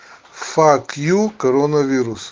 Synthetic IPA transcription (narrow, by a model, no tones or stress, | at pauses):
fakjukoɾɔnɐviɾus